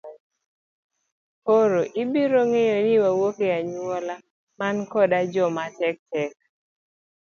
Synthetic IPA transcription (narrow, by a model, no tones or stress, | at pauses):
poɾoʔɪbiɾoŋejonɪwawokeaɲuɔla | mankɔdad͡ʒɔmatɛk̚tɛk̚